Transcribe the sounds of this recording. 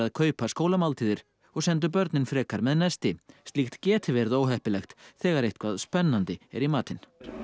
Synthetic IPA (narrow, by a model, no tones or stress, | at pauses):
aðkʰœːɥpaskoːwlamalt̪ʰiːðɪɾ̥ | ɔɣsɛnt̪̬ʏpœɾt̪nɪnfɾɛːkaɾmɛðnɛst̪ɪst̪lixt̪cɛːt̪ɪvɛɾðoːwɦɛhpɪlɛxt̪θɛːɣaɾejht̪kʰv̥aðspɛnːant̪ɪɛ̰ɾimaːt̪ɪn